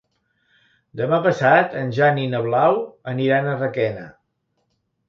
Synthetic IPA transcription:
d̪əmapəsat̪ənʲʒaninəβlawəniɾanərəkɛnə̰

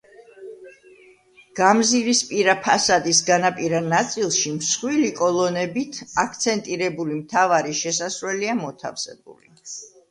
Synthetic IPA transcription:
ɡ̥amziɾispʼiɾapʰasad̪isɡanapʼiɾanat̪sʼilˠʃimsχwilikʼɔlˠɔnɛbit̪ʰakʰt̪sʰɛnt̪ʼiɾɛbulimt̪ʰavaɾiʃɛsasɾwɛliamɔt̪ʰa̰fsɛ̰bṵli

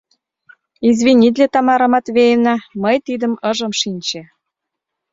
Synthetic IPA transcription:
izβinʲid̪ʲlʲet̪ɑmɑɾɤ̆mɑt̪βejenɑməjt̪id̪ə̆mɤ̆ʒə̆mʃinʲt͡ɕe

